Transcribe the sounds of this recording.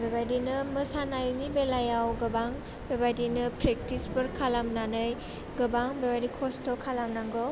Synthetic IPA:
bebadinɯmɯsanajnibelajawɡɯbaŋ | bebadinɯpɾek̚tisbɯɾkʰalamnanɯj | ɡɯbaŋbebadikʰɔstɔkʰalamnaŋɡɔ

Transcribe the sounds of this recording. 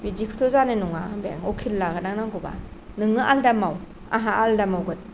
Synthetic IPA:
bidikʰɯ̥tʰɔzanɯnuŋabeja̰ŋɔkʰilːaɡɯnaŋnaŋɡɔba̰ | nɯŋɯʔaldamaw | a̰ɦaʔaldamawɡɯt̚

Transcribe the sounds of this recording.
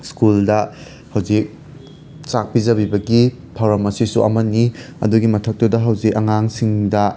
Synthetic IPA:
skuldɐ | hɐwd͡ʒik̚ | t͡ʃak̚pizɐbibɐɡi | pʰɐwɾɐmɐsisuʔɐ̰mɐni | ɐ̰duɡimɐtʰɐk̚tɐdɐɦɐwzikɐŋaŋsiŋdɐ

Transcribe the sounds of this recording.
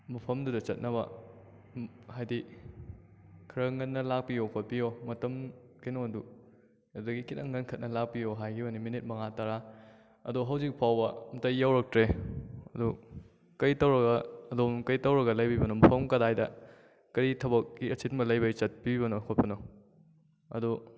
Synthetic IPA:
mɐpʰɐmdudɐt͡ʃɐt̚nɐβɐ | hajdi | kʰɐɾɐŋɐnːɐlak̚pijokʰot̚pijomɐtɐm | kɐjnoɐdu | adɐɡikitɐŋːɐnkʰɐt̚nɐlak̚pijoɦajɡioniminit̚mɐŋataɾa | ɐ̰doɦɐwzik̚pʰawbɐmɐtɐjːawɾɐk̚tɾeɐdu | kɐjtɐwɾɐɡɐɐdomkɐjtɐwɾɐɡɐlɐjbibɐnomɐpʰɐmkɐdajdɐ | kɐɾitʰɐbɐkːiɐsit̚mɐlɐjbɐjt͡ʃɐt̚pibɐnokʰot̚pɐno | ɐ̰du

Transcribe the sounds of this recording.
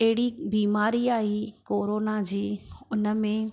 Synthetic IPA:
ɛɦɪɽibiːmaːɾiaːikoːɾoːnad͡ʑiːʊnəmẽ

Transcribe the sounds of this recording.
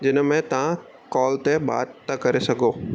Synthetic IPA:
d͡ʑɪnə̆mẽt̪ɐʋ̤ã | kɔːlt̪eɓa̰ːd̪t̪ɐkɐɾesɐɡʱoː

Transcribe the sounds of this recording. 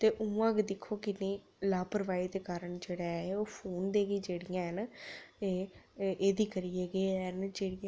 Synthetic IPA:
t̪eːʔũːãːkd̪ɪkʰoːkɪnẽː | laːpəɾʋaːiːd̪eːkaːɾəɳd͡ʒeːɽaːeoːpʰoːnd̪eːɡiːd͡ʒeːɽɪjãːɦəneːʔeːd̪iːkəɾiːeːɡeːɦənd͡ʒeːɽɪjã

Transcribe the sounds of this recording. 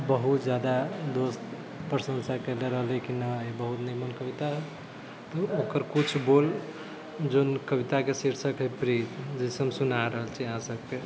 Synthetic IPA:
bəɦut̪d͡ʒjad̪ad̪ost̪ | pɾəsə̃nsakeleɾəɦəlikinaebəɦut̪nimənkəbit̪aɦ | t̪ɔokəɾkut͡ʃʰbol | d͡ʒonkəbit̪akesiɾsəkɦepɾid͡ʒisəmsunaɾəɦəlt͡ʃʰiəɦãsəb̚ke

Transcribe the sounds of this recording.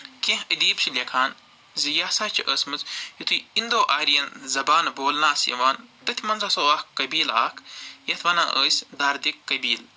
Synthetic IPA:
kẽɦəd̪iːbʃʰilʲekʰaːn | zijaːsaːt͡ʃʰiʔəːsmɨt͡sjit̪ʰuind̪oːʔaːɾijɐnzɐbaːnboːlnaːsjɐ̰ʋaːnt̪ɐt̪ʰʲimɐnzɐsoːahkːɐbiːla̰ːkʰjɐt̪ʰʋɐna̰ːʔəːsʲd̪aːɾd̪ikːɐbiːl

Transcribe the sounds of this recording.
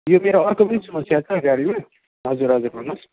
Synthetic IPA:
jomeɾoʌrkobʌnisʌmʌsjat͡sʰʌʌɡaɾima | ɦʌd͡zuɾɦʌd͡zuɾɦunos

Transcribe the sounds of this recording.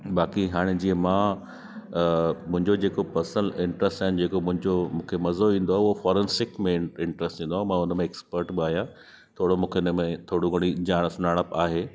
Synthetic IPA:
baːkiɦaːɽ̃ed͡ʑiə̃mãː | mʊ̃ɦɪ̃ɲd͡ʑod͡ʑeːkopɐsə̃nɪ̃ɳʈɾəsʈaːɦɪnɪ̆d͡ʑeːkomʊ̃ɦɪ̃ɲd͡ʑomũːkʰemɐzoʋĩːn̆d̪oaːɦɪʊɦofɔːɾensɪkmẽɪɳʈɾəsʈʋĩːnd̪oaːɦmãʊnəmẽːkspəɾʈbɪaːɦijã | t̪ʰoːɽomũːkʰeʊnəmẽt̪ʰoːɽuɡɐɽ̃id͡ʑaːɽ̃sʊnaːɽ̃əpaːɦeː

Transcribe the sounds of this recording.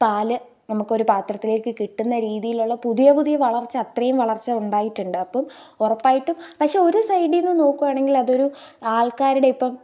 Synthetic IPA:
paːlɨ | nɐmukːɨo̞ɾupaːt̪rɐt̪ːile̞ːkːɨkiʈːunːɐɾiːðijiluɭːɐpuðijɐpuðijɐʋɐɭɐrt͡ɕːɨɐt̪rɐjumʋɐɭɐrt͡ɕːɐuɳɖaːjiʈːuɳɖɨɐpːɐmurɐpːaːjiʈːumpɐkʂe̞o̞ɾusɐjɖijenːɨno̞ːkːuʋaːɳe̞ŋɡilɐðo̞ɾuaːɭkaːɾuɽe̞ipːɐm

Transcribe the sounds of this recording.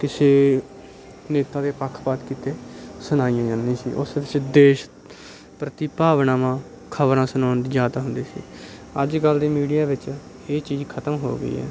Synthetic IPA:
kɪseː | neːt̪aːd̪eːpəkʰːpaːt̪kiːt̪eːsʊnaːijãːd͡ʒãːnĩːsḭːʔʊ̰sʋɪt͡ʃd̪eːʃ | pɾət̪iːpaːʋnaːmãː | kʰəʋɾãːsənaːnid͡ʒjaːd̪aːɦʊnd̪eːsḭːəd͡ʒɡəld̪iːmiːɖijaːʋɪt͡ʃ | eːt͡ʃiːd͡ʒkʰət̪əmɦo̰ːɡə̰ḭːɦɛ̰ː

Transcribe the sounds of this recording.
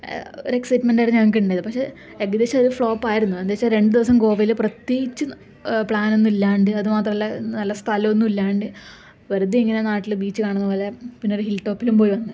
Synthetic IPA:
o̰ɾeksɐjʈmenɖaɾɐɲːɲaŋːik̬ːiuɳɖajɐðɨpɐkʂe̞ | eɡɐd̪eːɕɐɾufɭo̞ːpːaːjiɾunːuɐnd̪eɕɐɾe̞ɳɖɨd̪iʋɐs̬ɐmko̞ːʋɐjilprɐt̪jeːɡit͡ɕːɨ | pɭaːno̞nːuilːaːɳɖɨɐðɨmaːt̪rɐmɐlːɐnɐlːɐst̪ʰɐlɐonːumilːaːɳɖɨ | ʋɐɾud̪iiŋːɐne̞naːʈːilbiːt͡ɕːɨkaːɳunːɐpoːle̞pinːoɾuɦilʈːo̞ːpːilumpo̞ːjiʋɐnːɨ

